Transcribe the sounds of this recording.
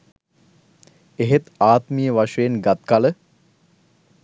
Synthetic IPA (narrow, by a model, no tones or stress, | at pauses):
eɦet̪aːt̪mijəʋaʃəjenɡat̪kalə